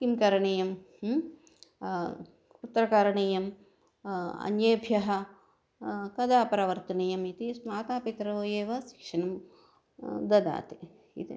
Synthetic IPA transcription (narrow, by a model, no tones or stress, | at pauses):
kimkɐɾɐɳijɐm | ut̪ːɾɐkaːɾɐɳiːjɐm | ɐ̰njeːbʱjɐɦɐ̆ | kɐd̪aːpɐɾɐʋɐɾt̪ɐnijɐmit̪ismaːt̪aːpit̪ɾɐʋoːjeːʋɐsi̥kʂɐnɐm | d̪ɐd̪a̰ːt̪i | ḭt̪i